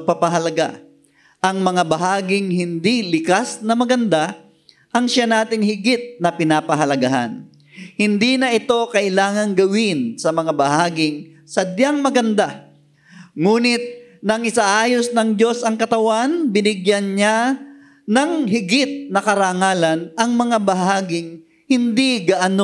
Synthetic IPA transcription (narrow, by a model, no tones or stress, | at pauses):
ɡ̚papɐɦɐlɐɡa̰ | ʔɐŋmɐŋabɐɦaːɡɪŋhɪnd̪ilɪkasnɐmɐɡɐnd̪a | ʔɐŋʃanaːt̪ɪŋhɪɡɪt̪̚nɐpɪnaːpɐɦɐlɐɡaɦa̰n | hɪnd̪inɐʔɪt̪o̞kɐʔɪlaːŋɐŋɡɐwɪnsɐmɐŋabɐɦaːɡɪŋ | sɐd̪jaŋmɐɡɐnd̪a | ŋuːnɪt̪̚nɐŋʔɪsaʔaːjosnɐŋd͡ʒo̞sɐŋkɐt̪ɐwanbɪnɪɡjanɲa | nɐŋɦɪɡɪt̪̚nɐkɐɾaŋaːlɐnʔɐŋmɐŋabɐɦaːɡɪŋ | hɪnd̪iɡɐʔɐno